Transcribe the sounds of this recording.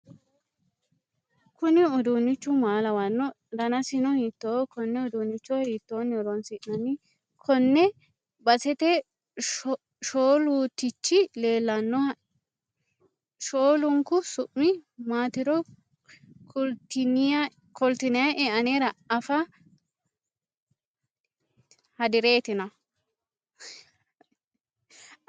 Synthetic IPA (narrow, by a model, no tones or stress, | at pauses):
kʊnɪʊd̪unːɪt͡ʃːʊmaːlɐwɐnːɔ | d̪ɐnɐsɪnɔhit̪ːokɔnːɛɔd̪unːɪt͡ʃːɔhiːt̪ːoːnːɪɔɾɔnsiʔnɐnɪ | kʰɔnːɛ | bɐsɛt̪ɛ | ʃoːluːt̪ɪt͡ʃːɪle̞ːlːɐnːɔɐ | ʃoːlʊŋkʊsʊʔmɪmaːt̪ɪɾɔ | kʊlt̪ɪn | kɔlt̪ɪnɛjɐʔɛʔɐneːɾɐɐfɐ | hɐd̪ɪɾeːt̪ɪnɐ